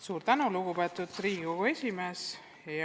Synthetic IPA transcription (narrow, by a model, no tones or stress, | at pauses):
suːɾt̪ænuluɡupet̪ːˑut̪ːriːɡɡoɡue̞sʲimeːs | j